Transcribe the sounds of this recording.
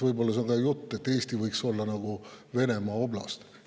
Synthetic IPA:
vɤjbo̞lːɑs̬eoŋɡɑjut̪ˑːe̞t̪ːe̞ːst̪ivɤjkso̞lːɑnɑɡ̥uve̞ne̞mɑːo̞blɑ̰st̪

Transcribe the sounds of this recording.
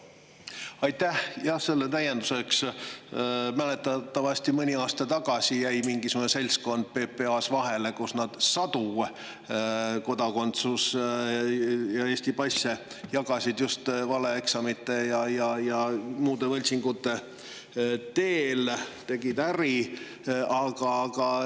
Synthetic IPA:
ɑjt̪ːæhjɑhse̞lːet̪æje̞nd̪use̞ks | mælet̪ːˑɑt̪ːˑɑvɑsʲt̪imɯnʲiɑːst̪ɑt̪ɑɡ̥ɑsʲijæjmiŋɡ̥isemunːese̞lʲsko̞nd̪̥̚pepːe̞ɑsvɑɦe̞le̞kusnɑd̪̥sɑt̪u | ko̞d̪ɑko̞nt̪sus | jɑe̞ːsʲt̪ipɑjsʲe | jɑɡɑsʲid̪just̪vɑleeksɑmit̪ːˑe̞jɑjɑjɑmuːd̪evɤlʲt̪siŋɡut̪ːe̞ | t̪eːlt̪e̞ɡid̪æɾi | ɑɡ̥ɑɡ̥ɑ

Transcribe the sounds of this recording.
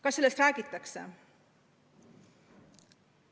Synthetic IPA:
kɑsːe̞lːest̪ræːɡ̥it̪ˑːɑksḛ

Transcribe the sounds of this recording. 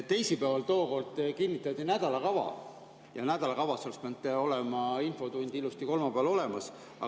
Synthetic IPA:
t̪ːe̞jsipævɑlt̪o̞ːko̞rt̪ːkinʲːit̪ːˑɑt̪ːinæd̪̥ɑlɑkɑvɑ̰ | jɑnæd̪̥ɑlɑkɑvɑsoespeɑnd̪eo̞le̞mɑinfo̞t̪unʲd̪̥ilust̪iko̞lmɑpeɑlo̞le̞mɑs | ɑ̰

